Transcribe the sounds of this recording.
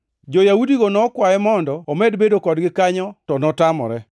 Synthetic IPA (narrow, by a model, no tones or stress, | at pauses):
d͡ʒɔjaudiɡonɔkwajɛmɔndɔːmɛdbedokɔdɡɪkaɲɔtɔnɔtamɔ̰ɾɛ